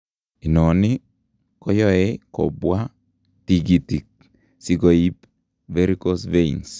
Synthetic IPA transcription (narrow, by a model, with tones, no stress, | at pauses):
i˨nɔ˨nɪ˦ | kɔ˦jɔ˦e˦kɔ̰˨bwa˦ | ti˨ɡi˨ti˨k̚ | si˦ɡo˨i˦p | ve˦ɾi˦ko˦sve˦ins